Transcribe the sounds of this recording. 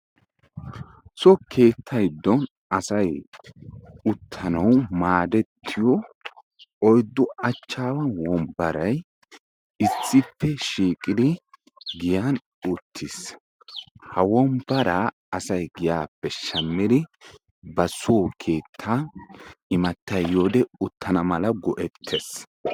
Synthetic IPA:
sɔkʰe̞ːt̪ʰːɐjd̪ːɔn | ɐsɐj | ʊt̪ʰːɐnɐwmaːd̪ɛt̪ʰːɪjɔ | ɔjd̪ːɔɐt͡ʃːaːwɐnwɔmbɐɾɐj | ɪsːɪpːɛʃiːkʼɪd̪ɪ | ɡɪjan | ʊt̪ʰːɪs | hɐwɔmbɐɾa | ɐsɐjɡɪjaːpːɛʃɐmːɪd̪ɪ | bɐsukʰe̞ːt̪ʰːa | ɪmɐt̪ːɐjːoːd̪ɛʊt̪ʰːɐnɐmɐlɐɡɔʔɛt̪ʰːɛs

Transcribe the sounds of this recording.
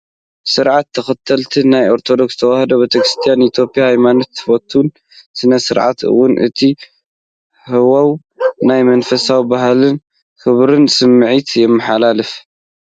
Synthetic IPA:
sɨɾʕat̪ʰːɐxɐt̪ʰːɐlt̪ʰinajo̞ɾt̪ʰo̞d̪o̞kst̪ʰɐwahd̪obet̪ʰɐkɾɨst̪ʰijanit̪ʰjo̞pijahajmanot̪ːɨ̥fot̪ʰun | sɨnɐsɨɾʕa̰t̪ɨ̰wːʊnʔɨ̰t̪ʰi | hɨwaw | najmɐnfɐsawibaɦlɨn | kɨβɾɨnsɨmːɨʕit̪jɛmːɨħalalɨf

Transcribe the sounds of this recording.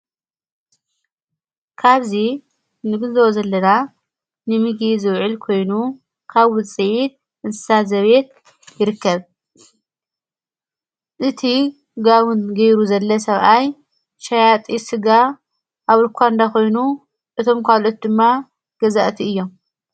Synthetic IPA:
kʰaβzi | nɨɡɨzwozɐlːɐna | nɨmɨɡizɨβʕɨlkʰo̞jnu | kʰaβɨsʼɨʕit̪̚ | ʔɨnsɨ̥sazɐβe̞t̪̚ | jɪɾɨkːɐβ | ʔɨt̪ʰi | ɡawunɡɐjɾuzɐlːɐsɐβʔaj | ʃajat̪ʼisɨɡa | ʔaβɨlkʰʷand̪akʰo̞jnu | ʔɨt̪ʰo̞mkʰalo̞t̪̚d̪ɨmːa | ɡ̥ɐzaʔt̪ʰiɨjːo̞m

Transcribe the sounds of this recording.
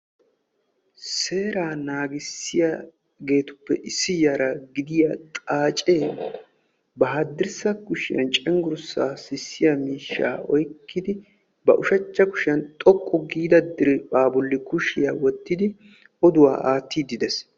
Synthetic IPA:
se̞ːɾaːnaːɡɪsːɪja | ɡe̞ːt̪ʊ̥pːɛʔɪsːɪjaːɾɐɡɪd̪ɪjat̪ʼaːt͡ʃʼe | bɐɦad̪ɪɾsɐkʊʃɪjɐ̰nt͡ʃʼɛŋɡʊɾʊsːa̰ːsɪsːɪjamiːʃːa̰ːɔjkːɪd̪ɪ | bɐ̰ʔʊʃɐt͡ʃːɐkʊ̥ʃɪjɐnt̪ʼɔkʼːɔɡiːd̪ɐd̪ɪɾɛbaːbʊlːɪkʊʃɪjawɔt̪ːɪd̪ɪ | ɔd̪ʊwa̰ːʔaːt̪ːiːd̪ɪd̪ɛs

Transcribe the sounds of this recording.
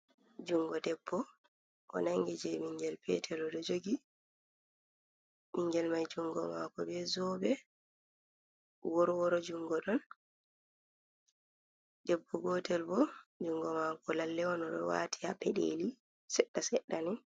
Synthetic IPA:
d͡ʒuŋɡɔdɛbːɔ | ʔɔ̰naŋɡid͡ʒɛmiŋɡɛlpʰɛtʰɛlɔɗɔd͡ʒoɡi | miŋɡɛlmajd͡ʒuŋɡɔmaːkɔbɛzɔbɛ | wɔɾwɔɾɔd͡ʒuŋɡɔɗɔn | dɛbːɔɡɔtɛlbɔd͡ʒuŋɡɔmakɔlalːɛɔnɔɗɔ̰wa̰ːtʰihapɛɗḛli | sɛɗːasɛɗːanɛ

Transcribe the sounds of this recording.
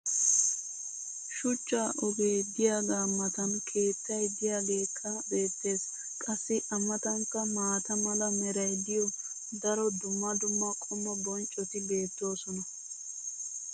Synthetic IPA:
ʃʊt͡ʃːaːʔɔɡe̞ːd̪ɪjaːɡaːmːɐt̪ɐnkʰe̞ːt͡sːɐjd̪ɪjaːɡe̞ːkʰːɐbe̞ːt̪ːe̞ːs | kʼɐsːɪʔɐmːɐt̪ɐŋkːɐmaːt̪ɐmɐlɐmɛɾɐjd̪ɪjɔ | d̪ɐɾɔd̪ʊmːɐd̪ʊmːɐkʼɔmːɐbɔnt͡ʃʼːɔt̪ɪbe̞ːt̪ːo̞ːsɔnɐ

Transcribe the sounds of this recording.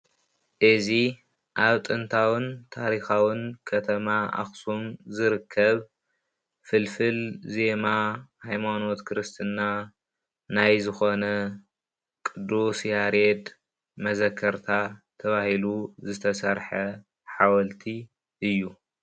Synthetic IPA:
ʔɨzi | ʔaβt̪ʼɨnt̪ʰawɨnt̪ʰaɾixawɨnkʰɐt̪ʰɐmaa̰xsumzɨɾɨkʰːɐβ | fɨlfɨlze̞mahajmano̞t̪kʰɾɨst̪ʰɨnːa | najzɨxo̞nɐ | kʼɨd̪usjaɾed̪ | mɐzɐkʰːɐɾt̪ʰat̪ʰɐβahiluzɨt̪ʰɐsɐɾħɐ | ħawɐlt̪ʰi | ʔɨjːu

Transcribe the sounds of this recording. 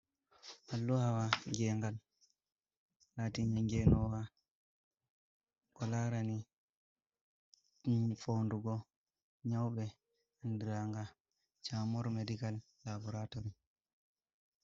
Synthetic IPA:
ʔalːuhawaŋɡɛŋɡal | latiɲaŋɡɛnɔwa | kɔlaɾani | fonduɡɔ | ɲawɓɛ | andiɾaŋɡa | t͡ʃamɔɾmedikalːabɔɾatɔɾi

